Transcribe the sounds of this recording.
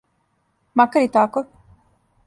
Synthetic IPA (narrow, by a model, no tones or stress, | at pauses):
makaɾit̪ako